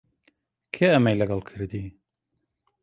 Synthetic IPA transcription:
kʰeːʔɐmejlɐɡɐlˠkʰɨɾd̪i

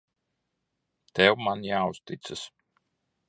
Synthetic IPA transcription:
t̪ɛwmanjaːust̪it̪sɨs

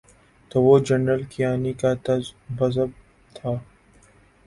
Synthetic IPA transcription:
t̪oːʋod͡ʒɐnɾəlkijaːnikat̪ɐbɐzəb̚ | t̪ʰaː

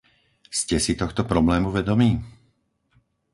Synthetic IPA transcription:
scɛsit̪ɔxt̪ɔpɾɔblɛːmuʋɛd̪ɔmiː

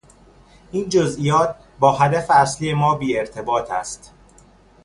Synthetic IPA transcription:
ʔiːnd͡ʒozʔijɒːt̪̚ʰ | bɒːɦæd̪æfeæsliːje̞mɒːbiːe̞ɾt̪ʰe̞bɒːt̪ʰæ̰st̪

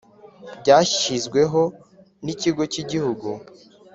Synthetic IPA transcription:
bɟaːʃi̥ʃizɡwe̞ɦo̞ | niciɡo̞ciɟihuɡu

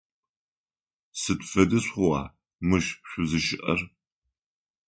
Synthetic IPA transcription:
sɨtfɐdɨsχʷʊwɑ̰ː | mɨʃpɕʷʊzɨʃɪʔɐr

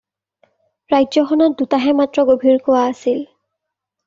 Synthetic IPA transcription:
ɹajzɔxɔnɔt̚dutaɦɛmatɹɔɡobʱiɹkowaːsil

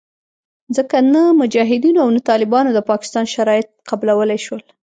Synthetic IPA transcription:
zəkanamʊd͡ʒɑɦɪd̪inoawnat̪ɑlɪbɑnod̪əpɑkɪ̥st̪ɑnʃaɾɑjɪt̪̚qablawəlajʃwəl

